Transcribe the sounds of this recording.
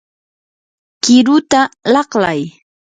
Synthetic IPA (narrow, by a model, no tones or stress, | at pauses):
kɪɾʊt̪alɑχlaj